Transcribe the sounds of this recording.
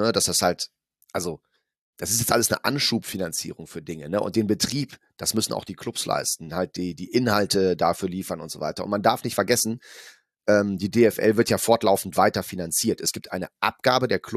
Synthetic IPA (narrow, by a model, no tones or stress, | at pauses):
ədasd̥ashalt | ʔalzo | d̥asɪstjɛt͡stʔaləsnə̰ʔa̰nʃuːpfinant͡sḭːʁʊŋfyːɐdɪŋənəʔʊ̰nt̚d̥eːnbətʁ̥iːp | d̥asmʏsn̩ʔa̰ʊxd̥iːkʰl̥ʊpsla̰ɪstn̩halt̚d̥iːdiːʔɪnhaltʰədafyːɐliːfɐnʊntz̥o̰vaɪtɐʔʊntmandaɐfnɪçtfɛɐɡɛsn̩ | ʔɛːmdiːdeːɛfʔɛ̰lvɪɐtjaːfɔɐtlaʊfn̩tv̥aɪtɐfinant͡siːɐtɛsɡ̥iːp̚tʔaɪnəʔa̰p̚ɡ̥aːbədeːɐkʰlʊ